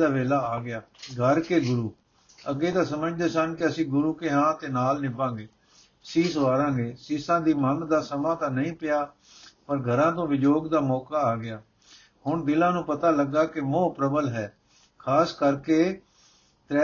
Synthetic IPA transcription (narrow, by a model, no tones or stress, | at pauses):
aːʋeːlaːaːɡɪaːɡʱəɾkeːɡʊɾuː | əɡeːt̪ãːsəməd͡ʒd̪eːsənkɪəsĩːɡʊɾuːkeːɦãːt̪eːnaːlnɪbãːɡeː | siːsʋaːɾãːɡeːsiːsãːd̪iːmənd̪aːsəmãːt̪ãːnəĩːpɪjaː | pəɾɡʱəɾãːt̪õːʋɪd͡ʒoːɡd̪aːmɔːkaːɡɪjaː | hʊɳd̪ɪlãːnũːpət̪aːləɡːaːkɪmõːpɾəbəlɦɛː | kʰaːskəɾkeː | t̪ɾɛː